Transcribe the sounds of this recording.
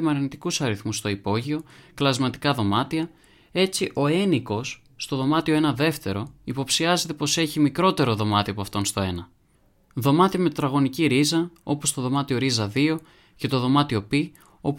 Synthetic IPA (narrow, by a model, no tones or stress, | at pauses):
mɐɾinit̪i̥kusɐɾiθmust̪o̞ipo̞ʝio̞klɐzmɐt̪i̥kɐðo̞mɐt̪iɐ | e̞t͡siʔo̞e̞niko̞sː | t̪o̞ðo̞mɐt̪ioe̞nɐðe̞ft̪e̞ɾo̞ipo̞psiɐze̞t̪e̞po̞se̞çimikɾo̞t̪e̞ɾo̞ðo̞mɐt̪iɐpoɐft̪o̞nst̪o̞e̞nɐ | ðo̞mɐt̪iɐme̞t̪ɾɐɣo̞niciɾizɐo̞po̞st̪o̞ðo̞mɐt̪io̞ɾizɐðio̞ | cet̪o̞ðo̞mɐt̪io̞pi | o̞p